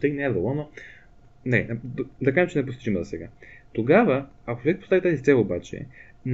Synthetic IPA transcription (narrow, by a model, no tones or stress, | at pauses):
st̪ɛknɛd̪olˠɔno | nɛd̪d̪ɐkaʒɛmt͡ʃɛnɛp̬ost̪t͡ʃimɐzɐsɛɡa̰t̪oɡavəɐkot͡ʃovɛk̚post̪avit̪azist̪sɛlˠobat͡ʃɛ̰ | n